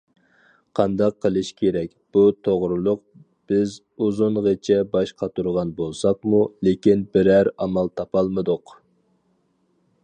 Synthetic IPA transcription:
qʰɑnd̪ɑqʰːəlˠɨʃkʲʰeɾɛk̚ʲb̥ut̪ʰoʁɾɨlˠʊq̚ | b̥ɪz | uzʊnʁet͡ʃʰɛbɑʃqʰɑt̪ʰuɾʁɑnbolˠsɑq̚mulekʲinbɪɾæɾɑmɑlˠt̪ʰɑpɑlˠmɨd̪ʊq

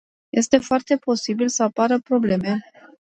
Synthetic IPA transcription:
je̞st̪e̞foart̪e̞po̞sibilsəapaɾəpɾo̞ble̞me̞

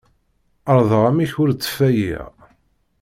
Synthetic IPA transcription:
əɾˤðˤʁamiçʊɾt͡sːə̥fæjḭʁ

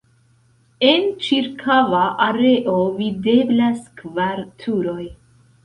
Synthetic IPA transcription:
e̞nt͡ʃiɾkʰavaʔaɾe̞ʔovide̞blaskvaɾtʰuɾo̞j

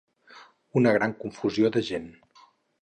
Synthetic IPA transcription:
unəɣ̞ɾaŋkuɱfuzioðəʒen

